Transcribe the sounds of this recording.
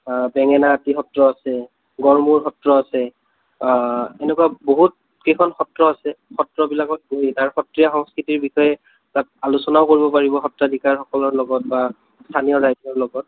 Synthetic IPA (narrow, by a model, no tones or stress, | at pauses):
bɛŋɛnaːtixɔtɹɔasɛ | ɡɔɹmuɹxɔtɹɔasɛ | enɛkuwaboɦut̚ | kejkʰɔnxɔtɹɔasɛxɔtɹɔbilakɔt̚ɡoɦitaɹxɔtɹijaxɔŋskɹitiɹbixɔjɛ | tat̚alusɔnaʊkoɹibɔpaɹibɔxɔtɹadʱikaɹxɔkɔlɔɹlɔɡɔt̚ba | stʰanijɔɹajdɔɹlɔɡɔt̚